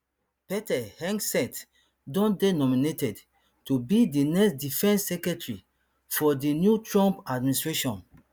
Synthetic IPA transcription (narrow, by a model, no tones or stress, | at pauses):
pɛtɛhɛ̃ŋsɛ̃nt | dɔ̃ndenɔminetɛd | tubidinɛksdifɛ̃nsːɛkɛtɹi | fɔdinjutɹɔ̃mpad̚ministɹeʃɔ̃n